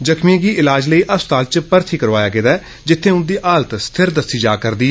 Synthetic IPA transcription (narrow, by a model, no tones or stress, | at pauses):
d͡ʒəkʰmĩɡiːɪlaːd͡ʒləiːʔəst̪aːlt͡ʃpəɾt̪ʰiːkəɾʋaːjaːkɪd̪aː | d͡ʒɪt̪ʰːẽːʊnd̪iːʔaːlət̪st̪ʰɪɾd̪əsiːd͡ʒa̰ːkəɾd̪iː